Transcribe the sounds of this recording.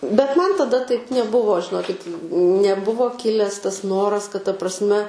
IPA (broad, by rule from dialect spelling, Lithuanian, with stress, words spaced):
bʲɛt ˈmɐn tɐˈdɐ tɐɪp nʲɛˈbʊʋoː ʒʲɪˈnoːkʲɪt nʲɛˈbʊʋoː ˈkʲɪlʲɛs ˈtɐs ˈnoːrɐs kɐt tɐ prɐsʲˈmʲɛ